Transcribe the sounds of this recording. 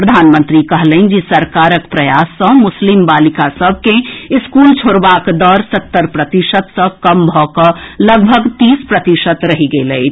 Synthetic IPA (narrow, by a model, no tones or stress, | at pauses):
pɾəd̪ʱaːnmə̃nt̪ɾikɐɦləind͡ʒisɐɾkaːɾəkpɾɐjaːsːə̃mʊslɪmbaːlɪkasəb̚ʱkeɪskuːlt͡ʃʰoːɽʋaːkd̪ɔːɾsɐt̪ːəɾpɾət̪ɪʃət̪sə̃kɐmbʱɔkəlɐɡ̚bʱəɡt̪iːspɾət̪ɪʃət̪ɾɐɦiɡeləi